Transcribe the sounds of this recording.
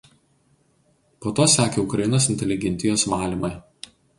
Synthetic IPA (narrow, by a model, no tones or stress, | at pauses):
poːt̪oːsʲæːkʲeːʊkɾɐjɪnoːsɪnʲt̪ʲɛlʲɪɡʲɛnʲt̪ʲɪjoːsmɑːlʲiːˑmɐɪ